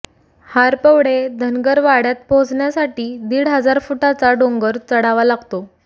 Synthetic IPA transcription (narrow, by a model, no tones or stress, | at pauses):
haɾpəʋɽed̪ʱənɡəɾʋaɽjat̪̚bʱod͡zɳjasaʈiːd̪iːɽɦəd͡zaɾfuʈat͡saɖoŋɡəɾt͡səɽaʋalaɡʱt̪o